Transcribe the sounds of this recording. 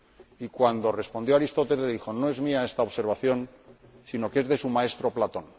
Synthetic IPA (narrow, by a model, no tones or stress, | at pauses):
ikwand̪o̞re̞spo̞nd̪jo̞aɾist̪o̞t̪elðixo̞no̞e̞zmiae̞st̪aoβse̞ɾβ̞aθjo̞nsino̞ke̞zðe̞sumae̞st̪ɾo̞plat̪o̞n